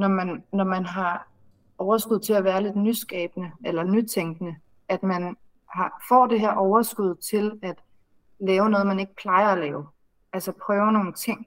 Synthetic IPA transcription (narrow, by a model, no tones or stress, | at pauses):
nɒmænːɒmænɦɑ̈ | ɒʊɐsɡ̥uð̞̰ˠt͡sʰe̝læʋæːɐle̝d̥nysɡ̥ɛ̰ːb̥ənəelɐnyt͡sʰeŋɡ̥nə | æd̥mæn | hɑ̈fɒ̰ːd̥e̝ɦæɐ̰ʔɒʊɐsɡ̥uð̞̰ˠt͡sʰe̝læd̥ | lɛːʊnɔ̽ːð̞̩ˠmæne̝ɡ̥ə̥pʰlɑ̈ɪɐælɛːʊ | ʔælsɐpʰʁœːʊɐno̝ːn̩t͡sʰe̝ŋ̰